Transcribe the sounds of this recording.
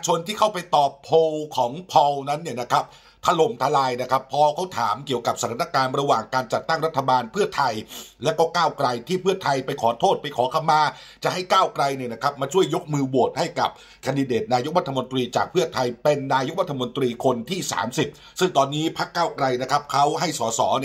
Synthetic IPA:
t͡ɕʰo˧nt̪ʰiː˥˩kʰa˥˩wpa˧jt̪ɔː˨˩pʰːo˧wkʰɔː˩˦ŋpʰɔ˧wna˦˥nːi˥˩ɐna˦˥kʰa˦˥p̚ | t̪ʰa˧lo˨˩mt̪ʰa˧laː˧jna˦˥kʰa˦˥pʰːɔː˧kʰa˥˩wt̪ʰaː˩˦mki˨˩əwka˨˩p̚sa˧˩t̪ʰaː˨˦na˧kaː˧nɾa˧waː˨˩ŋkaː˧nt͡ɕa˨˩t̪ːa˥˩ŋɾa˦˥t̪ʰːa˧baː˧npʰɯ˥˩ɐt̪ʰa˧jlɛ˦˥wkɔː˥˩kaː˥˩wkɾa˧jt̪ʰiː˥˩pʰɯ˥˩ɐt̪ʰa˧jpa˧jkʰɔː˩˦t̪ʰoː˥˩t̪̚pa˧jkʰɔː˩˦kʰa˧mːaː˧ | t͡ɕa˨˩ʔha˥˩jkaː˥˩wkɾa˧jni˥˩əna˦˥kʰa˦˥p̚maː˧t͡ɕʰu˥˩əjːo˦˥k̚mɯː˧bu˨˩ət̪̚ha˥˩jka̰˨˩p̚ | kʰaː˧ndi˧deː˨˩t̪̚naː˧jo˦˥k̚ɾa˦˥t̪ʰːa˧mo˧nt̪ɾiː˧t͡ɕa̰ː˨˩k̚pʰɯ˥˩ɐət̪ʰa˧jpe˧nːaː˧jo˧˥k̚ɾa˦˥t̪ʰːa˧mo˧nt̪ɾiː˧kʰo˧nt̪ʰiː˥˩sa̰ː˩˦msi˨˩t̚ | sɯ˥˩ŋt̪ɔː˧nːiː˦˥pʰa˦˥kːaː˥˩wkɾa˧jna˦˥kʰa˦˥p̚kʰa˦˥wɦa˥˩jsɔː˩˦sɔ̰ː˩˦ni˥˩

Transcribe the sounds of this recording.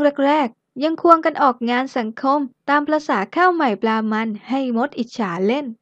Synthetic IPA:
ɾe˥˩k̚ɾɛː˥˩k̚ | ja˧ŋkʰu˧əŋka˧nʔɔː˨˩k̚ŋaː˧nsa˨˩˦ŋkʰo˧˥mt̪aː˧mpʰɾa˧saː˩˦kʰaː˥˩wma˨˩jplaː˧ma˧nha˥˩jmo˦˥t̪̚ʔi˨˩t̪̚t͡ɕʰaː˩˦le˥˩n

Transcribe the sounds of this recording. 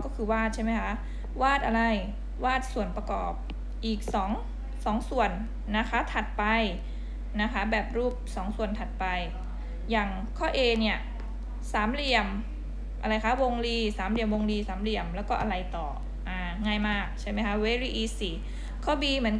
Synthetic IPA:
kɔː˥˩kʰɯː˧waː˥˩t̪̚t͡ɕʰa˥˩jma˦˥kʰa˦˥ | waː˥˩t̪̚ʔa˧ɾa˧j | waː˥˩t̪̚su˨˩ənpa˧kɔ̰ː˨˩p̚ | ʔiː˨˩k̚sɔː˩˦ŋ | sɔː˩˦ŋsu˨˩ənː | a˦˥kʰa˦˥t̪ʰa˨˩t̪̚pa˧j | na˦˥kʰa˦˥bɛː˨˩p̚ɾuː˥˩p̚sɔː˩˦ŋsu˨˩ənt̪ʰa˨˩t̪̚pa˧j | jaː˨˩ŋ | kʰɔː˥˩ʔeː˧ni˥˩ɐ | saː˩˦mli˧˩əm | ʔa˧ɾa˧jkʰa˦˥wo˧ŋliː˧˩saː˩˦mli˧˩əmwo˧ŋliː˧saː˩˦mli˧əmlɛ˦˥wkɔː˥˩ʔa˧ɾa˧jt̪ɔː˨˩ | ʔaː˧˩ŋaː˥˩jmaː˥˩k̚t͡ɕʰa˥˩jma˦˥jkʰa˦˥we˦˧˥ɾiː˥˩ʔiː˧˥siː˧˩ | kʰːɔː˥˩biː˧mɯ˩˦ə

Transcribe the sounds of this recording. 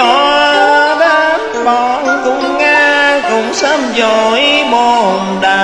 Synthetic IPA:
ɔ˧˩ | ɓa˧˥t | ɓɔ˧˨˩nkʊ˧˥ŋ͡mŋaː˧kʊ̰˧˥ŋ͡msa˧mzo˨˩jmo˧˩mɗa˨˩

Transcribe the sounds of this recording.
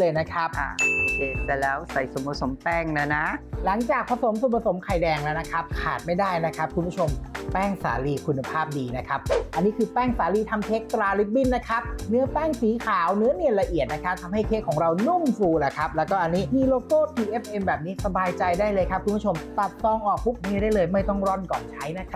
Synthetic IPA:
ɤː˧jna˦˥kʰa˦˥p̚ʔa̰˧˩˧keː˧˩t͡ɕɛ˧˩lɛː˦˥wsa˨˩jso˨˩˦mpʰa˧so˩˦mpɛː˥˩ŋna˦˥na˦˥la˩˦ŋt͡ɕaː˨˩k̚pʰa˧so˨˩˦mso˨˦mpʰa˧so˩˦mkʰa˨˩jdɛː˧ŋlɛː˦˥wna˦˥kʰa˦˥p̚kʰa̰ː˨˩t̪̚ma˥˩jdaː˥˩jna˦˥kʰa˦˥p̚kʰu˧nbʰu˥˩t͡ɕʰo˧mpɛː˥˩ŋsa̰ː˩˦liː˧kʰu˧nːa˧pʰaː˥˩p̚diː˧na˦˥kʰa˦˥p̚ʔa˧nːiː˦˥kʰɯː˧pɛː˥˩ŋsaː˩˦liː˧t̪ʰa˧mt̪ʰeː˦˥k̚t̪ɾaː˧li˦˥p̚bi˥˩nːa˦˥kʰa˦˥p̚nɯ˦˥ɐpɛː˥˩ŋsiː˩˦kʰaː˨˩˦wnɯ˦˥ɐni˨˩ənla˧ʔi˨˩ət̪̚na˦˥kʰa˦˥p̚t̪ʰa˧mha˥˩jk̪ʰeː˦˥˩kʰːɔː˩˦ŋɾa˧wnu˥˩ŋsuː˧la˨˩kʰa˦˥p̚lɛː˦˥wkɔː˥˩ʔa˧nːiː˦˥miː˧loː˧koː˥˩t̪ʰiː˧ʔe˦˥pʔe˧mbɛː˨˩p̚niː˦˥sa˧baː˧jt͡ɕa˧jdaː˥˩jlɤː˧jkʰa˦˥p̚kʰu˧mʰpʰu˥t͡ɕʰo˧mt̪a˨˩t̪̚sɔː˧ŋʔɔː˨˩k̚pu˦˥k̚ni˧˥ɾaː˥˩jlɤː˧jma˥˩jt̪ɔ˥˩ŋɾɔ˥˩nkɔ̰ː˨˩nt͡ɕʰa˦˥jna˦˥kʰa˦˥

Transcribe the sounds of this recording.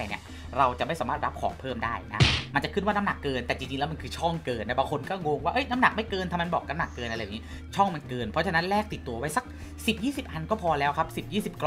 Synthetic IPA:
nḭ˦˥˩ | ɾa˧wt͡ɕa˨˩ʔma˥˩jsaː˩˦maː˥˩t̪̚ɾa˦˥p̚kʰɔ̰ː˩˦ŋpʰɤː˥˩mdaː˥˩jna˦˥ma˧nt͡ɕa˨kʰɯ˥˩waː˥˩na˦˥mna˨˩kːɤː˧nt̪ɛː˨˩t͡ɕi˧ŋt͡ɕi˧ŋlɛː˦˥m˧nkʰɯː˧t͡ɕʰɔ˥˩ŋkɤː˧nːa˦˥˩baː˧ŋkʰo˧nkɔː˥˩ŋoː˧ŋwaː˥˩ʔɤ˦˥˩jna˦˥mna˨˩k̚ma˥˩jkɤː˧nt̪ʰaː˧ma˧nbɔː˨˩k̚a˧˥mna˨˩kːɤː˧nʔa˧ɾaː˧˩˨i˦˥˩ | t͡ɕʰɔ˥˩ŋma˧nkɤː˧npʰɔ˦˥t͡ɕʰa˧na˦˥nlɛː˥˩k̚t̪i˨˩t̪ːu˧ɐwa˦˥jsa˦˥k̚ | si˨˩p̚jiː˥˩si˨˩p̚ʔa˧nkɔː˥˩pʰɔː˧lɛː˦˥wkʰa˦˥p̚si˨˩p̚jiː˥˩si˨˩p̚k

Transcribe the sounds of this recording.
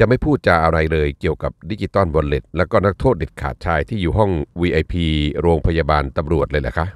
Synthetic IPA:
t͡ɕa˨˩ʔma˥˩jpʰuː˥˩t̪̚t͡ɕa˨˩ʔaː˧wna˧jlɤː˧jki˨˩əwka˨˩p̚di˦˥t͡ɕi˨˧˩t̪ɔ˥˩nbo˧nle˨˩t̪̚lɛ˦˥wkɔː˥˩na˦˥kt̪ʰoː˥˩t̪̚de˨˩t̪̚kʰa̰ː˨˩t̪̚t͡ɕʰaː˧jt̪ʰiː˥˩juː˨˩ɦɔ˥˩ŋwiː˧ʔa˧jpʰiː˧ɾoː˧ŋpʰa˧jaː˧baː˧nt̪a˧mɾu˨˩ət̪̚lɤː˧jla˨˩kʰa˦˥

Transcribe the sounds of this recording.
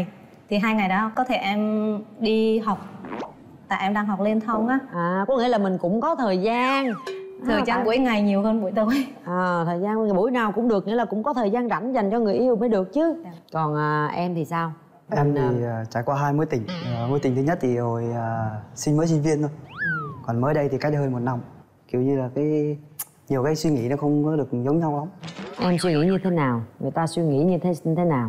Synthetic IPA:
j | t̪ʰi˨˩ɦaː˧jŋa˨˩jɗɔ˨˦kɔ˨˦t̪ʰe˧˩ʔɛ˧mɗi˧ɦɔ˨˩wk͡p̚ | t̪a̰ː˧˨ʔɛ˧mɗaː˧ŋɦɔ˨˩wk͡p̚le˧nt̪ʰə˧wŋ͡mʔaː˨˦ʔaː˨˩kɔ˨˦˥ŋḭ˧˥˦laː˨˩mï˩ŋ̟kʊ̰˧˥ŋ͡mkɔ˨˦t̪ʰəː˨˩jzaː˧nʰəː˨˩t͡ɕaː˧ŋɓu˧˩əjŋa˨˩jɲi˨˩əwhəː˧nɓu˧˩əjt̪o˧˩˦jʔəː˨˩t̪ʰəː˨˩jzaː˧n˧˦˨ɓu˧˩əjnaː˨˩wkʊ̰˧˥ŋ͡mɗɨ˨˩ək̚ŋḭ˧˥˦laː˨˩kʊ̰˧˥ŋ͡mkɔ˨˦t̪ʰəː˨˩jzaː˧nza̰˧˩jŋza˨˩jŋ̟t͡ɕɔ˧ŋɨ˨˩əjʔi˧ə˧wməː˨˦jɗɨ˨˩ək̚t͡ɕɨ˨˦kɔ˨˩nʔəː˨˩ʔɛ˧mt̪ʰi˨˩saː˧w | ʔɛ˧mt̪ʰi˨˩˨t͡ɕa̰ː˧˩jkwaː˧ɦaː˧jmo˨˦jt̪ï˨˩ŋ̟ː˨mo˨˦jt̪ï˨˩t̪ʰɨ˨˦ɲə˦˥t̚t̪ʰi˨˩ho˨˩jəː˨˩sï˧ŋməː˨˦jsi˧ŋ̟vi˧ənt̪o˨˧˦jkɔ˨˩nməː˨˦jɗə˧jt̪ʰi˨˩kaː˨˦˥j̚ɦəː˧jmo˨˩t̚na˧m | ki˨˩əwɲɨ˧laː˨˩kaː˨˦j | ɲi˨˩əwkaː˨˦jswi˧ŋḭ˧˥nɔ˨˦xə˧wŋ͡mkɔ˨˦ɗɨ˨˩ək̚zə˨˦wŋ͡mɲa˧wla˨˦ŋ͡mʔɛ˧mswi˧ŋḭ˧˥ɲɨ˧t̪ʰe˨˦naː˨˩wŋɨ˨˩əjt̪aː˧swi˧ŋḭ˧˥ɲɨ˧t̪ʰe˨˦˧t̪ʰe˨˦naː˨˩w

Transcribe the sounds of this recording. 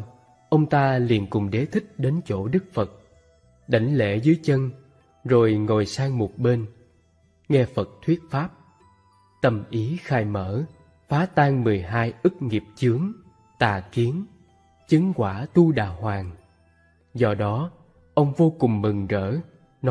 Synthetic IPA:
ʔə˧wŋ͡mt̪aː˧lḭ˧˨ənkʊ˨˩ŋ͡mɗe˨˦t̪ʰï˦˥k̟̚ɗe˨˦nt͡ɕo̰˧˩ɗɨ˦˥k̚fə˨˩t̚ | ɗa˨˩jŋ̟lḛ˧˥zɨː˨˦jt͡ɕə˧n | zo˨˩jŋo˨˩jsaː˧ŋmo˨˩t̚ɓe˧n | ŋɛ˧fə˨˩t̚t̪ʰwi˦˥ət̚faː˦˥p̚ | t̪ə˨˩mʔi˨˦xaː˧jməː˧˩˥ | faː˨˦t̪aː˧ŋmɨ˨˩əjɦaː˧jʔɨ˦˥k̚ŋi˨˩əp̚t͡ɕɨ˨˦əŋ | t̪aː˨˩ki˨˦ən | t͡ɕɨ˨˦ŋkwaː˧˩t̪u˧ɗaː˨˩hwaː˨˩ŋ | zɔ˧ɗɔ˨˦ | ʔə˧wŋ͡mvo˧kʊ˨˩ŋ͡mmɨ˨˩ŋzə̰ː˧˥˨ | nɔ˨˦

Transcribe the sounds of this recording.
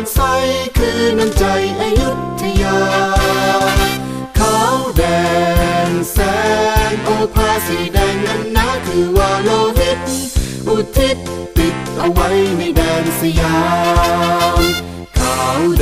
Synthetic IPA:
nsa˧˥jkʰɯː˧na˧nt͡ɕa˧jʔa˧ju˦˥t̚t̪ʰi˧ja˧ | kʰa˧˦wdɛː˧˩nsɛː˧˦˥nʔoː˧pʰaː˧si˨˩dɛa˧jna˧nːaː˦˥kʰɯː˧˩waː˧loː˧ɦe˧˥t̪̚n | ʔu˧˩t̪ʰːi˦˥t̪̚ | pi˨˩t̪̚ʔa˧wa˦˥jna˧jdɛː˧nsa˧jaː˧˦ | m | kʰa˩w

